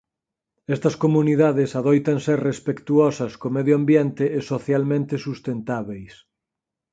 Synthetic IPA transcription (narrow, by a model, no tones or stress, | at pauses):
ɛst̪ɐskomuniðaðɪsaðojt̪ɐnserespekt̪uɔsɐskomeðjoambjent̪ɪːsoθjalmẽnt̪esust̪ent̪aβejs